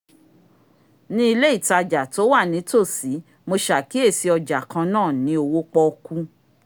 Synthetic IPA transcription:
nĩ˦i˧le˦i˦˨ta˧d͡ʒa˨to˨˦wa˦˨nĩ˨˦to˦˨si˨˦ | mo˧ʃa˨ki˨˦e˦˨si˧ɔ˧d͡ʒa˨kã˧nãː˦˨nĩ˨˦o˧wo˦k͡pɔ˧ku˧

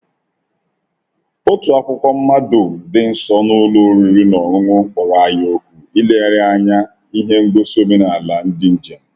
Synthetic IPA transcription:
o˦tu˨a˨kʷʊ˦kʷɔ˦m̩˦ma˦do˨dɪ˨n̩˦sɔ˦nʊ˦lu˦ɾi˨ɾi˦nɔ˨ŋʊ˦ŋʊ˦ŋ̩˦k͡pɔ˨ɾa˨a˨ɲ˦o˦kʷu˨i˦le˦a˦˨ɾɪ˦a˦ɲa˦ | i˦ɦe˦ŋ̩˦ɡ͡be˦so˦me˦na˨a˨la˨n̩˦dɪ˦n̩˦d͡ʒa˨

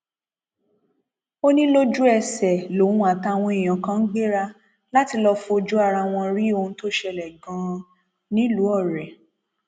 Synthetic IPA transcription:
o˦nĩ˦lo˦d͡ʒu˦ɛ˦˨sɛ˨lo˨ũ˧a˨ta˧w̃ɔ̃˧i˨j̃ã˨kã˦n̩˦ɡ͡be˦ɾa˧ | la˦ti˧lɔ˧fũ˧o˧d͡ʒu˦a˦˧˨ɾa˧w̃ɔ̃˧ɾi˦o˧ũ˧to˦ʃɛ˧lɛ˨ɡã˨˦ | nĩ˦lu˨˦ɔ˦˨ɾɛ˨

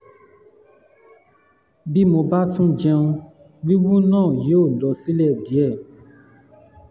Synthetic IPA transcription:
bi˦mo˧ba˦tũ˦d͡ʒɛ˧ũ˧ | ɡ͡bi˦wũ˦nãː˦˨jo˨˦˨dɔ˧˨si˦lɛ˦˨di˨˦ɛ˦˨

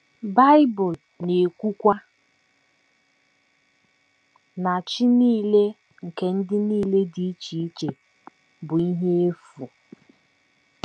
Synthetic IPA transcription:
ba˦ɪ˦bʊ˨l | ne˨kʷu˦kʷa˦ | na˨t͡ʃi˦niː˦le˦ | ŋ̩˨ke˦n̩˦dɪ˦niː˦le˦di˨i˦t͡ʃi˨˦t͡ʃe˨ | bʊ˨i˦ɦe˦e˦fu˨

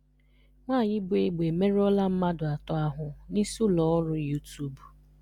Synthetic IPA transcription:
ŋʷaː˦˨jɪ˦bʊ˨e˨ɡ͡be˨me˦ɾɔ˦la˦m̩˦ma˦dʊ˨a˨tɔ˨˦a˦ɦʊ˨ni˦su˦lɔ˨ɔ˦ɾʊ˦ju˦tu˦b

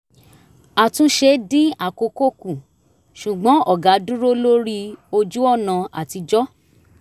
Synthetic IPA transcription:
a˨tũ˨˦ʃe˧dĩ˦a˦˨ko˧ko˦kũ˨ | ʃu˨ɡ͡bɔ̃˨˦ɔ˦˨ɡa˨˦dũ˦ɾo˦lo˦ɾi˦o˧d͡ʒu˦ɔ˦˨nã˨˧a̰˨ti˧d͡ʒɔ˦

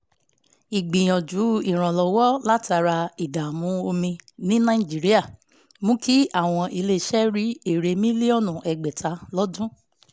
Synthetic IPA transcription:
i˨ɡ͡bĩ˨j̃ɔ̃˨d͡ʒu˨˦i˦˨ɾ̃ɔ̃˨lɔ˨wɔ˦la˦ta˧ɾa˧i˨da˨mũ˨˧˦o˧mĩ˧nĩ˦nã˦i˦˨d͡ʒi˨˦ɾi˦a˦˨ | mũ˦ki˦a˦˨w̃ɔ̃˧ʔi˧le˧˦˨ʃɛ˦ɾi˦e˦˨ɾe˧mĩ˦li˦ɔ˦˨nũ˨ʔɛ˨ɡ͡bɛ˨tʰa˨˦lɔ˦dũ˦

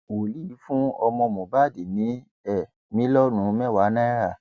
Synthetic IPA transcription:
wo˨li˦˨˦fũ˦ɔ˧mɔ̃˧mɔ̃˨ba˦˨di˨nĩ˨˦ | ɛ˦˨ | mĩ˨˦lɔ˦nũ˨˦mɛ̃˦˨wa˨˦nã˦ɾa˦˨

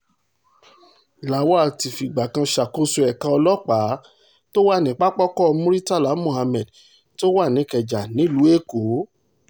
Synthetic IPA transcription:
la˨˦wa˦a˨ti˨fi˨ɡ͡ba˨kã˧ʃa˨ko˧su˧ɛ˨kã˧˦ɔ˧lɔ˦k͡pa˨˦ | to˦wa˦˨nĩ˨˦k͡pa˦k͡pɔ˦kɔ˦ɔ˧mũ˦ɾi˦ta˦˨la˨˦mõ˨ha˧mɛ˨d | to˦wa˦˨nĩ˨˦kɛ˨d͡ʒa˨nĩ˨˦lu˨˦e˦˨ko˨˦

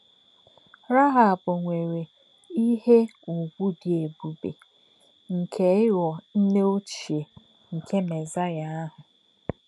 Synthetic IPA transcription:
ɾa˦ɦa˨bʊ˨ŋʷe˨ɾe˨ | i˦ɦe˦u˨ɡʷu˦dɪ˨e˨bu˨bḛ˨ | ŋ̩˨kʰe˨˦ɪ˦wɔ˨n̩˦ne˦o˦t͡ʃi˨e˨ | ŋ̩˨kʰe˦me˨za˦ja˦a˦ɦʊ˨

